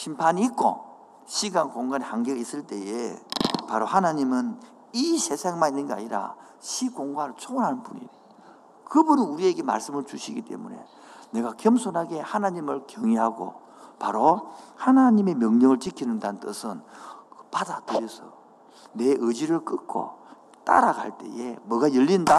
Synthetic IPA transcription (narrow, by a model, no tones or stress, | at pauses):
ɕʰimpʰaɲiːk͈o̰ | ɕʰiɡankoŋɡanhaŋɡeɡis͈ɯɭt͈e̞jepaɾohanaɲimɯn | isʰe̞sʰaŋmaninːɯnɡea̰ɲiɾa̰ | ɕʰikoŋɡwaɾɯɭt͡ɕʰonɦanɯnpuɲḭe | kɯbuninuɾie̞ɡe̞ma̰ɭs͈ɯmɯɭt͡ɕuɕʰiɡit͈e̞̰mune̞̰ | ne̞ɡakjʌmsʰonɦaɡe̞hanaɲimɯɭkjʌŋiɦaɡo̰ | paɾohanaɲime̞mjʌŋɲʌŋɯɭt͡ɕikʰinɯndanɯnt͈ɯ̰sʰɯnpadatɯɾjʌsʰʌ | ne̞ʔɯd͡ʑiɾɯɭk͈ɯkʰo̰ | t͈a̰ɾaɡa̰ɭt͈e̞̰je̞mwʌɡajʌʎːinda